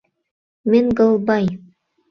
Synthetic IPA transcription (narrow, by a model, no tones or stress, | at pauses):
menʲɡɤ̆lˠbɑj